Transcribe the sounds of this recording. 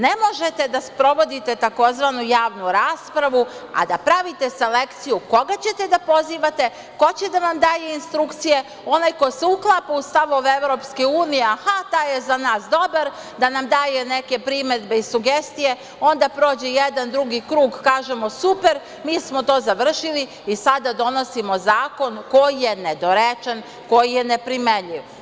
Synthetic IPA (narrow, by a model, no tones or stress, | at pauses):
ne̞mo̞ʒe̞t̪ed̪aspɾo̞ʋo̞d̪it̪e̞t̪ako̞zʋanujaːʋnuɾaːspɾaʋua̰d̪apɾaʋit̪e̞se̞le̞kt̪sijuko̞ɡat͡ɕe̞t̪e̞d̪apo̞ziːʋat̪e̞ | ko̞t͡ɕed̪anamd̪aːjeinst̪ɾukt̪sije̞ | o̞najkoseuklˠaːpaust̪aʋoʋeʋɾo̞ːpskiuːnijeahat̪ajezanaːsd̪o̞baɾ | d̪anamd̪aːjene̞ke̞pɾime̞d̪be̞isuɡest̪ije̞ | o̞nd̪apɾo̞ːd͡ʑejed̪and̪ɾuɡikɾuːɡkaːʒemo̞supe̞ɾ | miːsmot̪o̞ːzaʋr̩ʃili | isad̪ad̪o̞no̞simo̞zaːko̞nko̞jijened̪o̞ɾet͡ʃen | ko̞jijenepɾimeʎiʋ